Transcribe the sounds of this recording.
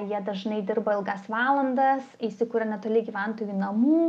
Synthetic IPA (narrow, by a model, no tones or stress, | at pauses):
jiɛd̪ɐʒnɐɪd̪ʲɪrbɐɪlˠɡɐsʋɑːlˠɐnd̪ɐsisʲɪkuːɾɐnʲɛt̪oːlʲɪɡʲiːʋʲɛnt̪oːjuːnɐmuː